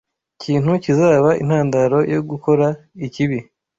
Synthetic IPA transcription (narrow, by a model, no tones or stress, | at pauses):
cʰiːnhucizaːβaʔḭn̥haːndaɾo̞jo̞ɡuko̞ɾaiciβi